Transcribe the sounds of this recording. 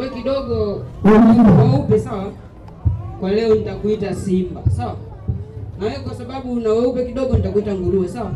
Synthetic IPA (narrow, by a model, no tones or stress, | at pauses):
wɛkiɗɔɡɔunawaupɛsawa | kwalɛɔnitakuitasimbasawa | nawɛkwasaɓaɓuːnawaupɛkiɗɔɡɔnitakuitaŋɡuluɔsawa